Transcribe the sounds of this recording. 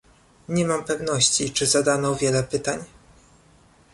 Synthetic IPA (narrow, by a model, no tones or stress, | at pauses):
ɲɛmampɛvnɔɕt͡ɕit͡ʂɘzad̪anɔvʲjɛlɛpɘt̪aɲ